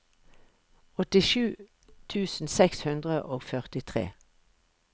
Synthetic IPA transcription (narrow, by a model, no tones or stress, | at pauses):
ɔt̪ɪʃʉː | t̪ʰʉːsn̩sɛkshʉnd̪ʁəʔoːɡfœʁt̪ɪt̪ʰʁḛː